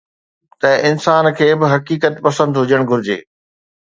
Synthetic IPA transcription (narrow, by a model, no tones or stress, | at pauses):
t̪ɐʔɪnsaːnkʰeːbɪɦɐkiːkət̪pɐsə̃nd̪ɦʊd͡ʑəɽ̃ɡʱʊɾɪd͡ʑḛː